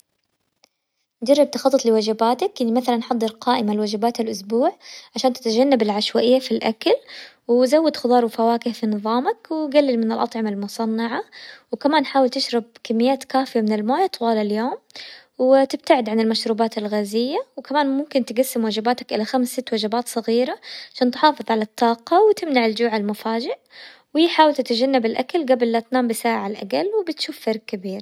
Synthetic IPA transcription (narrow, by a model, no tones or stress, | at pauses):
d͡ʒɑrˤːɪb̚t̪ɑxɑt̪ˤːɨt̪ˤlɪwad͡ʒabaːt̪akʔanimaθalanħɑd̪ˤːɨɾqɑːʔɪmalwad͡ʒabaːt̪alʔʊsbuːʕʕaʃaːnt̪ɪ̥t̪ad͡ʒanːabɪlʕaʃwaʔɪjːafilʔa̰kal | wɪzawːɪd̪xʊd̪ˤɑːɾˤwfawaːkɪhfinɨðˤɑːmakwɪɡalːɪlmɪnɪlʔɑt̪ˤʕɑmalmʊsˤɑnːɑʕawkamaːnħaːwɪlt̪ɪʃɾˤɑb̚kamːɪjːaːt̪kaːfɪjamɪnɪlmaːjat̪ˤwɑːlaljoːm | wɪt̪ɪb̚t̪aʕɪd̪ʕanɪlmaʃɾuːbaːt̪ɪlɣaːzɪjːawkamaːnmʊmkɪnt̪ɪɡasːɪmwad͡ʒabaːt̪akʔɪlaxamsːɪt̪ːwad͡ʒabaːt̪sˤɨɣiːɾaʕʕaʃaːnt̪ħɑːfɨðˤʕalat̪ʰːɑːqɑwt̪ɪmnaʕɪld͡ʒuːʕalmʊfaːd͡ʒɪʔ | wiːħaːwɪlt̪ɪt̪ad͡ʒanːabɪlʔakalɡablːat̪naːmbɪsaːʕalʔa̰ɡa̰lwɪbɪt̪ʃuːfːɑɾˤɡ̚kːabiːɾ